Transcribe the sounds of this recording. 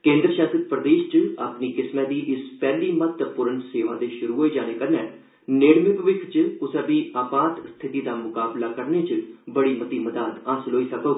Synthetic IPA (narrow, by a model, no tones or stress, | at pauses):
kẽːnd̪ɾəʃaːsət̪̚pɾəd̪eːʃt͡ʃaːpniːkɪsmɛ̃ːd̪iːʔɪspɛːliːmət̪ːpʊɾənseːʋãːd̪eːʃʊɾuːɦoːiːd͡ʒaːneːkəɾnɛ̃ː | neːɽmɪkʋɪkʰt͡ʃʊsəːbiːaːpaːt̪st̪ʰɪt̪iːd̪aːmʊkaːblaːkəɾneːt͡ʃbəɽiːmət̪iːməd̪aːd̪aːsloːiːsəkoː